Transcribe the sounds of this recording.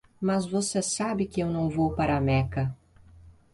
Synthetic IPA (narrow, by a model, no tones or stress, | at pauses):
mɐzvosesabɪkɪewnɐ̃w̃vowpaɾɐamɛkɐ